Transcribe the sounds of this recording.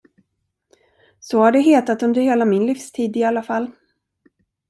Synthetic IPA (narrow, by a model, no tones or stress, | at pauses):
sɔhaɖɛɦeːt̪at̪ɵnd̪əɾheːlamɪnlifst̪ʰiːd̪ɪalːafalː